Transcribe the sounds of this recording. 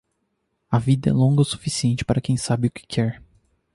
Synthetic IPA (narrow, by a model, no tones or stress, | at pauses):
ɐvid̪ɐɛ̰lõŋɡɐsu̥fisiẽnt͡ʃɪ̥paɾɐkẽj̃sabɪʊkɪ̥kʰɛɾ